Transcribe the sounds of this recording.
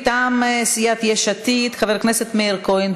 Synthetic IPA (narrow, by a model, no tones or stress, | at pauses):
t̪amsijat̪jɛʃat̪it̪χavɛɾknɛsɛt̪mɛiɾkojn